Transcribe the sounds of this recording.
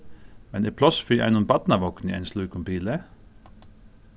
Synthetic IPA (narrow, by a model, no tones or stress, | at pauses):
mɛnɛpʰlɔsfiʔæ̰ɪnunbɑt̪nɑʋɔknɪʔɛ̰nslʉːkʊmpiːlə